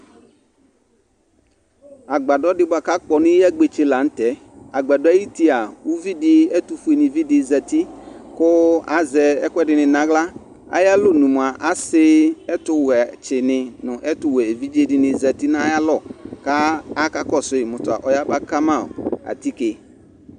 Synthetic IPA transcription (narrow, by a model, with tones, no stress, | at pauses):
a˨ɡ͡ba˨dɔ˦dɪ˦ba˨ka˦k͡pɔ˨nɪ̃˦a˦ɡ͡be˨t͡ʃe˨˦la˨n̩˦tɛ˨˦ | a˨ɡ͡ba˨dɔ˦a˦ji˦ti˦a˨u˦vi˦dɪ˦ɛ˦tʊ˦fu˦e˨nɪ̃˨vi˦dɪ˨za˨ti˦kʊ˦a˦zɛ˨ɛ˦kɛ˦dɪ˨nɪ̃˨nã˦ɣla˦ | a̰˨ja˦lʊ˦˨nũ˨m˨a˨ʔa˨sɪ˦ɛ˦tʊ˦wɛ˨t͡ʃɪ˨nɪ˨nʊ̃˨ʔɛ˦tʊ˦wɛ˨e˨vi˦d͡ʒe˦dɪ˨nɪ̃˨za˨ti˦na˦ja˦lɔ˦˨kaː˦ka˦kɔ˦˨sʊ˦ɪ˨mʊ˨tʊ˨a̰˨ʔɔ˨ja˦ba˦ka˦mã̰˦˨a̰˨ti˦kɪ˨